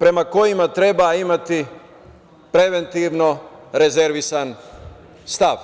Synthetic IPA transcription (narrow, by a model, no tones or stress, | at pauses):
pɾe̞mako̞jimat̪ɾe̞baimat̪i | pɾe̞ʋe̞nt̪iʋno̞ɾe̞ze̞ɾʋisan | st̪aʋ